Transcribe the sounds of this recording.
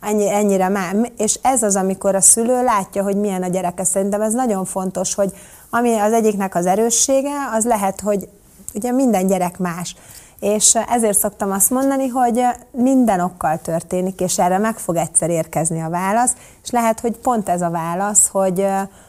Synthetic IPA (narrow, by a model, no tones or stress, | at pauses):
ɛɲːiɛɲːiɾɛmɛmeːʃɛzɒzɒmiko̞ɾɒsyløːlaːcːɒɦo̞ɟmiɛnɒɟɛɾɛkɛsɛɾint̪ɛmɛznɒɟo̞ɱfo̞nt̪o̞ʃho̞ɟ | ɒmiɒzɛɟːiknɛkɒzɛɾøːʃːeːɡɛɒzlɛɦɛt̪ho̞ɟ | uɟɛmind̪ɛɲɟɛɾɛkmaːʃ | eːʃɛzeːrt̪so̞k̚t̪ɒmɒst̪mo̞nd̪ɒniɦo̞ɟmind̪ɛno̞kːɒlt̪ørt̪eːnikeːʃɛrːɛmɛkfo̞ɡɛcsɛɾeːrkɛzniɒvaːlɒst̪ | e̥ʃlɛɦɛt̪ho̞cpo̞nt̪ɛzɒvaːlɒsho̞ɟ